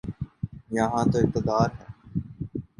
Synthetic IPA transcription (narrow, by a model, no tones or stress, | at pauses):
jəɦãːt̪oːɪq̚t̪ɪd̪aːɾɦɛː